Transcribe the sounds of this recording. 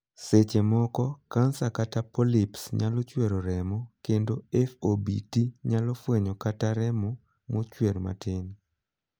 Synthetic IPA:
set͡ʃemɔkɔkansakatapɔlipsɲalɔt͡ʃweɾoɾɛmɔkendoɛfobḭtiɲalɔfweɲɔkataɾɛmɔ | mot͡ʃweɾma̰tɪn

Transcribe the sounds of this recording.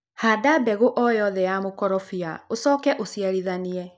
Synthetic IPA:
haːdabɛɣoʔɔjɔðɛjamokɔɾɔfia̰osɔːkɛʔosiaɾiðaniɛ

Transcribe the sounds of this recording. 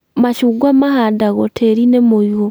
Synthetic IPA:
maʃuːɡwamaɦadaɣɔtʰeɾinemojɔ

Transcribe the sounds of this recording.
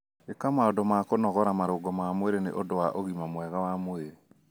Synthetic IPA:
ekamaodomakonɔɣɔɾamaɾoɡɔmamweɾenḛʔodowaʔoɣimamwɛɣawamweɾe

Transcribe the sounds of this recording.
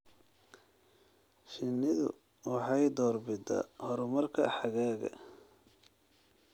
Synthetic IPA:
ʃɪnɪðʊ̰ | wɑħɑjd̪ɔːrbɪd̪ɐ̰hɔɾʊmɐrkʰɐħɑɣaːɣɐ̰

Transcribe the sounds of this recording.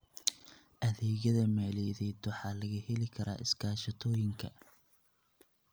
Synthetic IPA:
ʔɐðɛːɣɐðɐmɛːlɛːðɛːd̪wɑħɑːlɐɣɐhɛlɪkʰɐɾʔa̰ːʔɪskʰaːʃɐt̪ʰɔːjɪŋkʰɐ̰

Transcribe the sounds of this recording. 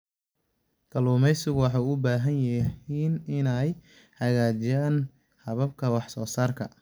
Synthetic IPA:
k̪ʰɐluːmɛjsɪɣwɑħɑjʊbaːɦɐnjɐhiːnɪnɛj | hɐɣaːt͡ʃɪjaːn | hɐβɐb̚kʰɐwɑħsɔːsaːrkʰɐ

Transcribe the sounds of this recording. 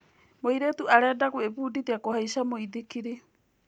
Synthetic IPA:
mojɾetuaɾeadakuepuːditeakohajsamojdikiɾi

